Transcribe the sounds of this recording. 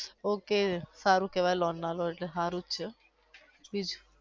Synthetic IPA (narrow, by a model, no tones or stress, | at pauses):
okesaɾũkeʋajlɔnːaloeʈleɦaɾut͡ʃʰe | bid͡ʒu̥